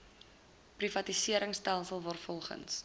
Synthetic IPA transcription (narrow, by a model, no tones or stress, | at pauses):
privɐtisiəɾəŋstælˠsəlˠvɔrfɔlˠχə̰ns